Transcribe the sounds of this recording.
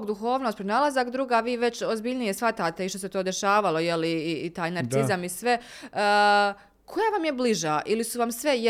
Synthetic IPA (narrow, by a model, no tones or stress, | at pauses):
ɡd̪uxo̞ːʋno̞st̪pɾonaːlˠazakd̪ɾuːɡaːʋiːʋe̞t͡ɕozbiʎnije̞sʋat̪aːt̪e̞iʃt̪ose̞t̪o̞ːd̪e̞ʃaːʋalo̞jeliiːt̪aːjnaɾt̪izamisʋe̞ | kʰo̞jaʋamjebliʒaʔilisuʋamsʋe̞j